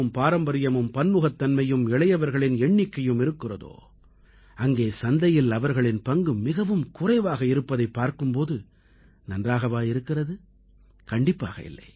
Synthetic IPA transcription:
ɯmpaːɾɐmbɐɾɪjɐmɯmpɐnmɯɣɐt̪ːɐnmɐjɯmɪɭɐjɐʋɐɾɣɐɭɪnɛɳːɪkːɐjɯmɪɾɯkːɪrɐðo̰ː | ɐŋɡeːsɐnd̪ɐjɪlɐʋɐɾɣɐɭɪnpɐŋɡɯmːɪɣɐʋɯmkʊrɐɪʋaːɣɐɪɾɯpːɐðɐɪpːaːɾkɯmpoːðɯ | nɐndraːɣɐʋaːjɪɾɯkːɪrɐðɯ | kɐɳɖɪpːa̰ːɣɐ̰ɪ̰lːɐ̰ɪ

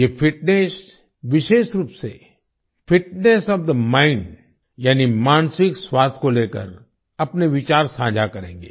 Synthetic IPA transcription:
jeːfʰɪʈnes | ʋɪʃeːʃɾuːpsḛ | fɪʈnesɔːʋd̪əmãːɪ̃ɳɖ | jaːnimaːnsɪkswaːst̪ʰkoleːkə̰ɾ | ɐpneʋɪt͡ʃaːɾsãːd͡ʒʱakɐɾẽːŋɡeː

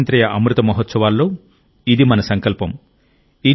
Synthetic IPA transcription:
nt̪ɾɐjɐʔɐmɾut̪ɐmɐɦɔt̪sɐʋaːlːoː | id̪imɐnɐsɐŋkɐlpɐm | i

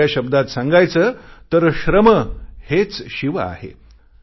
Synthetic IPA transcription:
aɕəb̚d̪at̪sãŋɡajt͡sət̪əɾɕɾəməhet͡sɕiʋəa̰hḛ

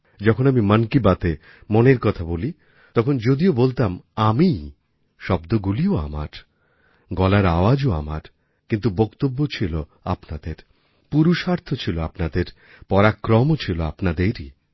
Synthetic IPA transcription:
d͡ʑɔkʰonamimankibat̪e | moneɾkɔt̪ʰaboli | t̪ɔkʰond͡ʑod̪iobolt̪amami | ʃɔbd̪oɡulioa̰ma̰ɾ | ɡɔlaɾaoad͡ʑoa̰ma̰ɾ | kint̪̬ubokt̪obːot͡ɕʰiloa̰pnad̪eɾ | puɾuʃaɾt̪ʰot͡ɕʰiloapnad̪eɾ | pɔɾakɾɔmot͡ɕʰiloa̰pnad̪eɾi

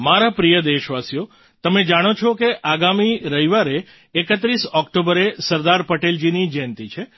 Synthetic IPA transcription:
maɾapɾijəd̪eʃʋasjo | t̪əmed͡ʒaɽ̃ot͡ʃʰokeʔaɡamiɾəiʋaɾeː | kət̪ɾisɔkʈobəɾesəɾd̪aɾpəʈeld͡ʒinid͡ʒɛnt̪it͡ʃʰe

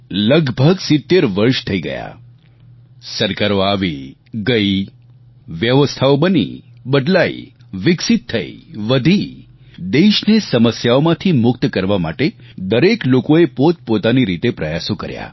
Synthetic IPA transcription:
ləɡbʱəɡsɪt̪ːeɾʋəɾʃt̪ʰəiɡə̰ja̰ | səɾkaɾoaʋi | ɡəi | ʋjəʋəst̪ʰaobənḭbəɖ̪laḭ | ʋɪksit̪ʰːəḭʋəd̪ʱi | d̪eʃnesəməsjaomãt̪ʰimʊkt̪kəɾʋama̰ʈed̪əɾeklokoepot̪̚pot̪aniɾit̪epɾəjasokəɾja̰

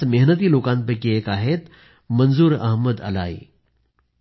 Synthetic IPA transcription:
meɦnət̪̬iːloːkãːnpəkieːkaːɦet̪ | mɐnzuːɾɐ̰ɦməd̪ɐ̰la̰ːḭː

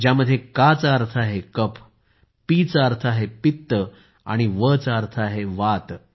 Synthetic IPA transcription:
d͡ʑjaməd̪ʱːjekat͡saɾt̪ʰəaɦekəp | pit͡səaɾt̪ʰaɦepit̪ːə | a̰ɽ̃iʋət͡səaɾt̪ʰaɦeʋat̪

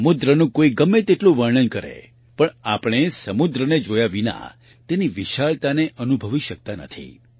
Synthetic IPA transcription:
əmud̪ɾənũkoiɡəmːet̪eʈlũʋəɾɳənkəɾḛ | pəɳapɽ̃esəmud̪ɾəned͡ʒojaʋina̰ | t̪eniʋiʃaɭt̪aneʔənubʱəʋiʃək̚t̪anə̰t̪ʰḭ

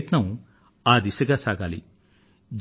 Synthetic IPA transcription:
t̪nɐmu | aːd̪isɐɡaːsaːɡaːlḭ | d͡ʒ

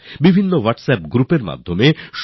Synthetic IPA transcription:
bibʱinːowaʈsɛpɡɾupeɾma̰d̪ʱːomeʃ

